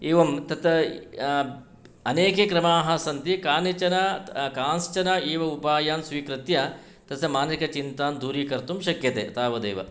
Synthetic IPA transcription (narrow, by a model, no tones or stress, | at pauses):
eːʋɐmt̪ɐt̪ | ɐneːkekɾɐmaːɦɐ̆sɐnt̪ikaːnit͡ʃɐnɐkaːnst͡ʃɐnɐeːʋɐupaːjaːnsʋiːkɾɪt̪jɐ | t̪ɐsɐmaːnikɐt͡ʃint̪aːnd̪ʱuːɾiːkɐɾt̪umʃɐkjɐt̪ḛːt̪aːʋɐd̪eːʋɐ̰